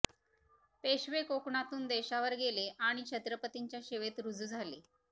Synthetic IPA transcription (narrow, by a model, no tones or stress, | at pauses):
peɕʋekokɳat̪uːnd̪eɕaʋəɾɡeleʔaɽ̃it͡ɕʰət̪ɾəpət̪iɲt͡ɕjaɕeʋet̪ɾud͡zʱuːd͡zʱale